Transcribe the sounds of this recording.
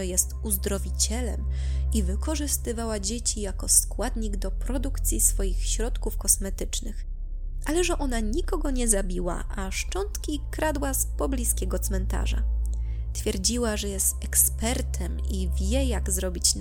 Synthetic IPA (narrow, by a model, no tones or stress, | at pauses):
ɛjɛst̪uzd̪ɾɔvʲit͡ɕɛlɛmivɘkɔʐɘst̪ɘvawad͡ʑet͡ɕijakɔskwad̪ɲiɡd̪ɔpɾɔd̪ukt̪sʲjisfɔjixɕɾɔt̪kufkɔsmɛt̪ɘt͡ʂnɘx | ʔalɛʐɛʔɔnaɲikɔɡɔɲɛzabʲiwa̰ʔaʂt͡ʂɔnt̪kʲikɾad̪waspɔblʲiskʲɛɡɔt̪smɛnt̪a̰ʐa̰ | t̪fʲjɛɾd͡ʑiwaʐɛjɛst̪ɛkspɛɾt̪ʰɛmivʲjɛjaɡzɾɔbʲit͡ɕ̪